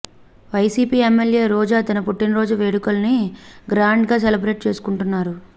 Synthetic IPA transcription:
ʋɐjsiːpiːemːelje̞ːɾɔːd͡ʒaːt̪ɐnɐpuʈːinɾo̞ːd͡ʒuʋe̞ːɽukɐlɐniɡɾaːɳɖɡaːs̬elibɾe̞ːʈ̚t͡ʃe̞ːsu̥kuɳʈunːaːɾu

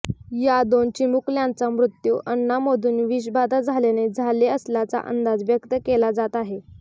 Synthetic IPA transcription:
jad̪ont͡ɕiːmukljãnt͡samɾut̪juːʔənːamod̪ʱuːnʋiɕ̬bad̪ad͡zʱalened͡zʱaleəsljat͡sa̰ʔə̰nd̪ad͡zʋjəkt̪əkelad͡zat̪aɦe

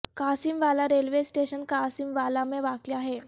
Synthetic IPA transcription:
kasiːmʋalaɾelʋesʈeɕənkasiːmʋalameʋakljaɦe

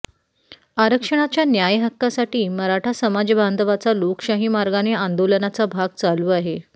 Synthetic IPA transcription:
aɾəkʂəɳ̃at͡ɕjanjajɦəkːasaʈiːməɾaʈʰasəmad͡ʑband̪əʋat͡salokʂaɦiːmaɾɡaneand̪olənat͡sabʱaɡ̚t͡saluːaɦe

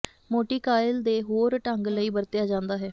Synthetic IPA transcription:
moːʈiːkaːɪld̪eːɦoːɾʈəŋɡləiːbəɾt̪ɪjaːd͡ʒãːnd̪aːɦɛː

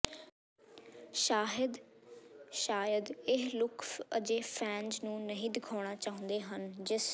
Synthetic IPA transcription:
ʃaːɦɪd̪ | ʃaːjəd̪ɪɦlʊkʰəd͡ʒeːpʰɛ̃ːnd͡ʒnũːnəɦĩːd̪ɪkʰaːɽ̃aːt͡ʃaːʊ̃nd̪eːɦənd͡ʒɪs

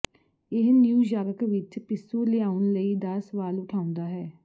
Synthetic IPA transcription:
ɪɦnjuːd͡ʒaːɾəkʋɪt͡ʃpɪsoːlɪaːʊnləiːd̪aːsʋaːlʊʈʰaːʊ̃nd̪aːɦɛː

